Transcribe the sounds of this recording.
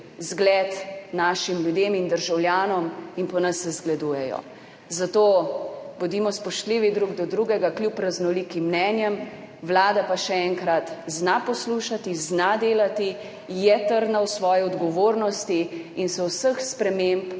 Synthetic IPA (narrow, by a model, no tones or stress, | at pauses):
zɡlɛt̪naːʃimljud̪eːmind̪əɾʒawlʲjaːnɔminpɔnɐsːɛzɡlɛd̪uːjɛjɔ̰ | zat̪oːbɔd̪iːmɔspɔʃt̪liʋid̪ɾuɡd̪ɔd̪ɾuɡɛɡaklʲjupɾaznɔliːkimːnɛːnjɛm | wlaːd̪apaʃɛɛŋkɾat̪znapɔsluʃat̪iznad̪eːlat̪i | jɛt̪əɾd̪nawsʋɔːjɛɔd̪ɡɔʋoːɾnɔst̪iinsɛwsəxspɾɛmemp